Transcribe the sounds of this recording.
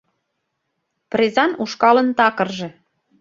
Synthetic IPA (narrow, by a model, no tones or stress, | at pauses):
prezɑnuʃkɑlə̆nt̪ɑkə̆rʒĕ